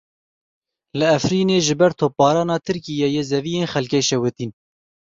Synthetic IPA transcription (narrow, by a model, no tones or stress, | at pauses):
lɨɛfɾiːneːʒɨbɛɾt̪ʰoːp̚bɑːɾɑːnɑːt̪ʰɨɾkijejezɛvijeːnxɛlkɛʃɛwɨt̪iːn